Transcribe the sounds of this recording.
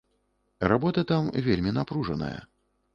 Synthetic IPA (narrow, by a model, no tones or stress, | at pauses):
rabɔt̪ɐt̪amvʲelʲmʲinapɾuʐɐnɐ̰jɐ̰